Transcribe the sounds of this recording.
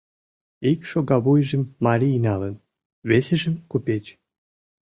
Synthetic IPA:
ikʃoɣɑβujʒə̆mːɑɾʲinɑlən | βeseʒə̆mkupʲet͡ɕ

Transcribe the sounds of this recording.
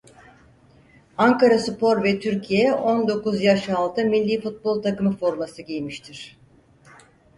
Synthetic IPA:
aŋkaɾasɨpo̞ɾvɛt̪ʰyɾcʰijɛo̞nd̪o̞kuzjaʃalˠt̪ʰɯmilʲːiːfut̪̚bo̞lˠt̪ʰakɯmɯfo̞ɾmasɯɟijmiʃt̪ʰiɾ̥

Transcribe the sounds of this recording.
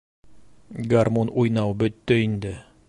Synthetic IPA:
ɡarmonujnɑwbɵ̆t̪ːɵind̪ɘ

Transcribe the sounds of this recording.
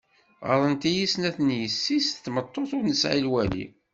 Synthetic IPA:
ʁə̰ɾˤənt̪ijisnæθnjəsːist̪ːmət̪ˤːoθʊɾnəsʕilwælḭ

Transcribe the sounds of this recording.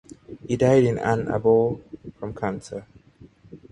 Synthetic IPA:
hidaɪɾɪ̃nã̰nə̰bɔlfɹə̃mkʰãnsə

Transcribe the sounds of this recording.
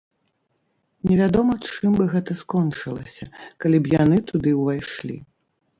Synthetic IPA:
nʲɛvʲad̪ɔmɐt͡ʂɨmbɨɣɛt̪ɐskɔnt͡ʂɨlˠɐsʲɐ̰kalʲibjanɨt̪ud̪ɨwvajʂlʲḭ

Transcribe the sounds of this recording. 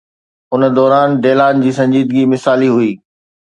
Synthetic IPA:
ʊnd̪ɔːɾaːnɖeːlaːnd͡ʑiːsɐ̃ɲd͡ʑiːd̪ɡimɪsaːliɦʊiː

